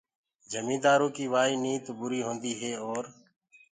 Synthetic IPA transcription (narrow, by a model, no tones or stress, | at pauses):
d͡ʒəmĩːd̪aːɾõːkiːʋaːiːniːt̪bʊɾiːɦõːnd̪iːɦeːoːɾ